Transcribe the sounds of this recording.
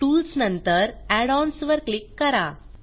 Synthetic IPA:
ʈulsnənt̪əɾæɽɔnsʋəɾklikːəɾa

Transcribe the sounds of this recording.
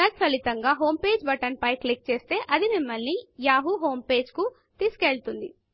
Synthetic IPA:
ɐtkɐlit̪ɐŋɡaːɦo̞ːmpe̞ːd͡ʒbɐʈɐnpɐjklik̚t͡ʃe̞ːst̪e̞ːʔɐd̪imimːɐlnijaːɦuɦo̞ːmpe̞ːd͡ʒku | t̪iːskeːɭt̪und̪i

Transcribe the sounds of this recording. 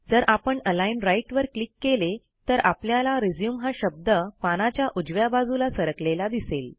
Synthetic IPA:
d͡zəɾapəɳəlainɾajʈʋəɾklikːele | t̪əɾʔapljalaɾid͡zjuːmɦaɕəb̚d̪əpanat͡ɕjaʔud͡ʑʋjabad͡zulasəɾəklelad̪isel

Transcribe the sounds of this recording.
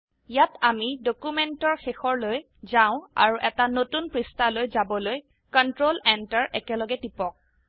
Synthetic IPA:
jatamidokumɛntɔɹxexɔɹloj | zãʊ̃a̰ɹuʔɛtanotunpɹistalojzabɔloj | kɔntɹolɛntaɹʔɛkɛlɔɡɛtipɔk̚

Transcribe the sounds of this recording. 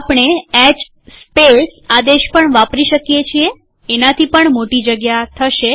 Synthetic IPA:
pɳ̃eɛd͡ʒ | spesad̪eʃpəɳʋapɾiʃəkjet͡ʃʰie | enat̪ʰipəɳmoʈid͡ʒəɡjat̪ʰəʃe

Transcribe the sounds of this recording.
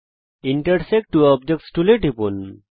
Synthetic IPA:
iɳʈəɾsek̚ʈːuɔb̚d͡ʒek̚ʈsʈuleʈipṵn

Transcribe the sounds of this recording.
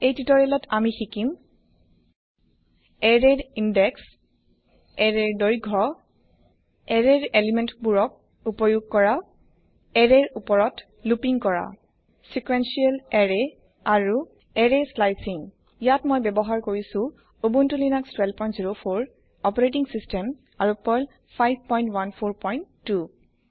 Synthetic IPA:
ejtitɔɹilɔtʰamixikim | ɛɹɛɹindɛks | ɛɹɛɹdoɹiɡʱɔ | ɛɹɛɹelimɛntbuɹɔk̚ | upɔjuɡ̚kɔɹa | ɛɹɛɹupɔɹɔt | lupiŋkɔɹa̰ | sikwensiɛlɛɹɛ | aɹu | ɛɹeslajsiŋ | jatmɔjbɛbɔɦaɹkoɹisũ | obuntulinakstwɛlpɔjntziɹopʰoɹ | ɔpɔɹetiŋsistɛm | aɹupɔl | pʰajb̚ʱpɔjntwanpʰoɹpɔjntːu

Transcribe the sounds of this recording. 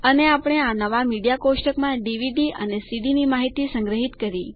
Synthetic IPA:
əneapɽ̃eanəʋamiɖijakoʃʈəkmãɖiʋiɖiʔə̰nesiɖinimaɦit̪isə̃ŋɡɾəɦit̪kəɾi

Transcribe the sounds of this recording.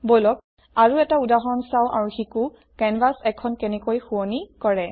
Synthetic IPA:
bolɔk̚ | aɹuɛtaudaɦɔnsawʔaɹuxiku | kɛnbasɛkʰɔnkɛnɛkojxuɔnikɔɹɛ

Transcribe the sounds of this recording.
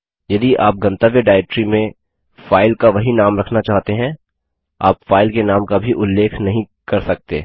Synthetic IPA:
jɐd̪iʔaːp̚ɡɐ̃nt̪əʋjəɖaːɪʈɾimẽ | faːɪlkaʋɐɦinaːmɾɐkʰnat͡ʃaːɦt̪eɦɛ̃ | a̰ːpfaːɪlkenaːmkabʱiʔʊlːeːkʰnɐɦĩ | kɐɾsɐk̚t̪eː

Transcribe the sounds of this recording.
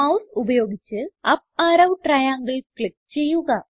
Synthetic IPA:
ɐwsubɐjo̞ːɡit͡ɕːɨɐp̚aːɾɐwʈrɐjaːŋɡɐɭkɭik̚t͡ɕe̞jːuɣɐ

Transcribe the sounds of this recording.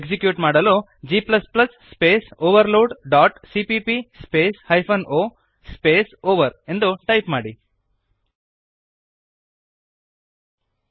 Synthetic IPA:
ksikjuːʈmaːɽɐloː | d͡ʒiːplɐsplɐsːpeːsoːʋɐɾloːɖɖaːʈsipipispeːshɐjpʰɐnoː | speːsoːʋɐɾe̞nd̪uʈɐjpmaːɽi

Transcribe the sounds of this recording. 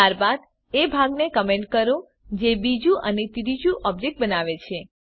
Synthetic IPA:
aɾbad̪ | ebʱaɡnekəmeɳʈ̚kəɾõ | d͡ʒebid͡ʒũʔənet̪iɾid͡ʒũʔɔb̚d͡ʒek̚ʈ̚bənaʋet͡ʃʰe

